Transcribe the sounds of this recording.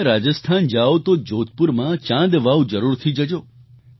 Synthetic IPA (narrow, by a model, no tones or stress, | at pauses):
ɾad͡ʒəst̪ʰand͡ʒaot̪od͡ʒot̪̚puɾmãt͡ʃãd̪ʋaʋd͡ʒəɾuɾt̪ʰid͡ʒəd͡ʒo